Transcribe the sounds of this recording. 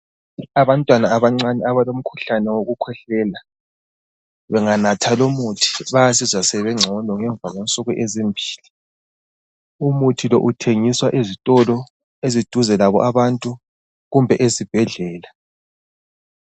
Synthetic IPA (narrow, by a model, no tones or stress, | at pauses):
aβantʼwanaːβaŋ͡ǀanɛaβalom̩kʰu̥ɬanɛwoɣukʰwɛɬɛla | βɛŋanatʰalomutʰi̥βajasizwasɛβɛŋ͡ǁʱɔlɔŋɛɱvʱaɣwɛnsʼɔɣuʔezimbʱiːli | umutʰilɔ̰ʔutʰeŋiswaʔizitʼɔlɔ | ezid̥ʱuzɛlaβɔ̰ʔaβantʼu | ɣumbʱɛʔezib̥ʱɛɮɛːla